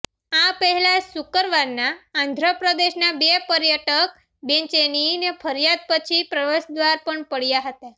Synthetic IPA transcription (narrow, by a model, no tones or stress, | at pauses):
ãpəɦɛlasukəɾʋaɾnãːnd̪ʱɾəpɾəd̪eɕnabepəɾjəʈək̚ | bent͡ʃeninefʰəɾjad̪̚pət͡ʃʰipɾəʋesd̪ʋaɾpəɳpəɽjaɦət̪e